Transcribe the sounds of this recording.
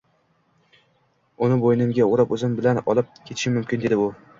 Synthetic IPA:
ʊnɪbojnɪmɡʲaoɾapɵzɪmbɪlanɒlˠɪp̚kʲʰet̪ʰɪ̥ʃɪmʊmkʲɪnd̪e̞d̪ɪʊ

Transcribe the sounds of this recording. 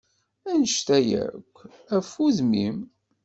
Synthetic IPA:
ænəʃt̪æjæ̰kʷː | æfuðmim

